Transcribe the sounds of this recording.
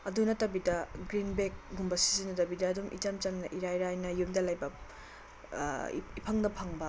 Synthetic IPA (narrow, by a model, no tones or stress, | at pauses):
ɐdunɐtɐbidɐɡɾinbek̚ɡumbɐsi̥zinɐtɐbidɐːdumʔḭtɐmt͡ʃɐmnɐʔiɾajɾajnɐjumdɐlɐjbɐ | ipʰɐŋnɐpʰɐŋbɐ